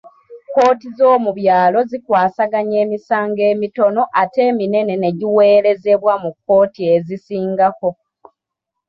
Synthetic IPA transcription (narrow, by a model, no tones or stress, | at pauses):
ko̞ːtizo̞ːmuβjaːlo̞zikwaːsaɡaɲe̞ːmisaːŋɡe̞ːmito̞no̞ʔate̞ːmine̞ne̞ne̞ɟiwe̞ːɾe̞ze̞βwamukːo̞ːtie̞zisiːŋɡako̞